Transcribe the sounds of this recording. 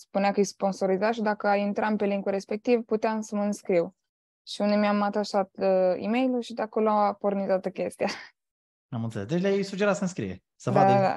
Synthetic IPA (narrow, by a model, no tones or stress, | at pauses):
spuneakəjspo̞nso̞ɾizaʃid̪akəajint̪ɾampe̞liŋkuɾe̞spe̞k̚t̪ivput̪eamsəməɨnskɾiw | ʃiund̪e̞miamat̪aʃat̪əḭme̞jluʃid̪akoloapo̞rnizat̪əkʲe̞st̪ija | amɨnselesd̪et͡ʃlʲajsud͡ʒeɾat̪sənskɾḭjḛ | sədva̰aa̰